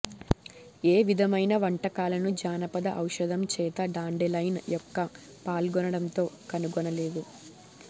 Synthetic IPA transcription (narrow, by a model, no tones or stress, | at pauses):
eːʋid̪ʱɐmɐjnɐʋɐɳʈɐkaːlɐnud͡ʒaːnɐpɐd̪ɐʔɐwʂɐd̪ʱɐmt͡ʃɛːt̪ɐɖaːɳɖelɐjnjɔkːɐ | paːlɡɔnɐɽɐnt̪o̞ːkɐnuɡɔnɐle̞ːd̪u